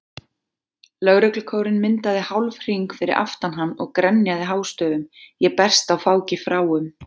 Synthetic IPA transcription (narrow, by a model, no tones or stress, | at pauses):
lœɣɾœklʏkʰoːwɾɪnmɪnt̪aðɪhawlvr̥iŋkfɪɾɪ̰ɾʔa̰ft̪anɦanːɔɣkɾɛnːjaðɪɦaːwst̪œːðʏmjɛpɛr̥st̪awfaːwcɪfɾaːwʏm